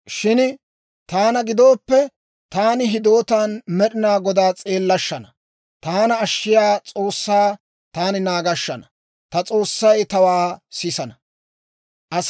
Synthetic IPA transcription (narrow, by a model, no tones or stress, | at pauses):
ʃɪn | t̪aːnɐɡɪd̪o̞ːpːɛ | t̪aːnɪɦɪd̪o̞ːt̪anmɛɗɪnaːɡɔd̪aːt͡sʼe̞ːlːɐʃːɐnɐ | t̪aːnɐːʃːɪjaːt͡sʼo̞ːsːaː | t̪aːnɪnaːɡɐʃːɐnɐ | t̪ɐt͡sʼo̞ːsːɐjt̪ɐwaːsɪsɐnɐ | ʔɐs